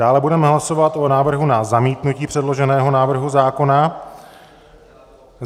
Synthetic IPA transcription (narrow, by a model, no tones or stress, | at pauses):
aːlɛbudɛmɛɦlasovat̪ʔonaːvr̩ɦunazamiːt̪nuciːpr̝̥ɛdlo̞ʒɛnɛːɦo̞naːvr̩ɦuzaːko̞na